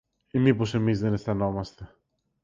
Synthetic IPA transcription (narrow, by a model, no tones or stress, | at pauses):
imipo̞se̞mizðe̞nefθɐno̞mɐst̪e̞